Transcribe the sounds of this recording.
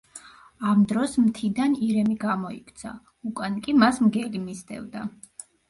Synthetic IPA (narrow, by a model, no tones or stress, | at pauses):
amd̪ɾɔsmt̪ʰid̪aniɾɛmiɡamɔikʰt̪sʰa̰ | ukʼankʼimasmɡɛlimisd̪ɛ̰vd̪a